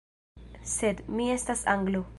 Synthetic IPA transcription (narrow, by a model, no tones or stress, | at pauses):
sed̪miest̪asaŋɡlo